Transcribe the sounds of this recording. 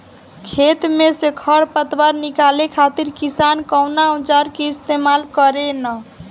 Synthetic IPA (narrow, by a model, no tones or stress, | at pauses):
kʰet̪mesekʰəɽpət̪waɾnikalekʰat̪iɾkisankəwnaũt͡ʃaɾkeist̪emalkəɾenə